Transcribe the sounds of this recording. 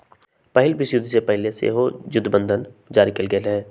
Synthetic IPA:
pɛɦɪlbɪsjʊd̪ʱsepɛɦɪlesḛɦojʊd̪ʱbə̃nd̪ʱənd͡ʒaːɾikɐlɡelɦɛː

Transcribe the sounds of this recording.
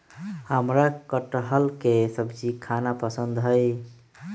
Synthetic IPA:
həmɾakəʈəɦəlkesəbd͡ʒikʰanapəsənd̪ɦəj

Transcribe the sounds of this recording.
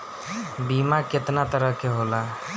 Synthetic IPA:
bimakɪt̪nat̪əɾəɦkeɦoːla

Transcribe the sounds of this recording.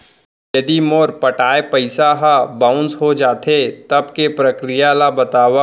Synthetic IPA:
jɐd̪imoːɾpɐʈaːepɐɪsaɦabãːʊ̃nsɦod͡ʒaːt̪ʰet̪ɐbkepɾɐkɾɪjalabɐt̪aːʋa

